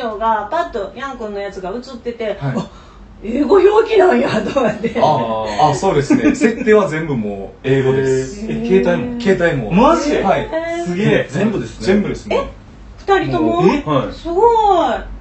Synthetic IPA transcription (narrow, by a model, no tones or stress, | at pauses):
oːɡapat̪ːojãŋkõnːo̞jat͡sɨɡaɯ̟t͡sɨt̪ːe̞t̪e̞haia | eːɡo̞joːkʲinajad̪omad̪eaaso̞ːd̪esɨnese̞t̪ːe̞ːβazẽmbɯ̟moːe̞ːɡo̞d̪esɨkeːt̪aimoke̞ːt̪aimo̰mɕihaisɨɡʲezẽmbɯ̟d̪esɨnzẽmbɯ̟d̪esɨne | ɸɯ̟̥t̪aɾʲit̪omoasɨɡoi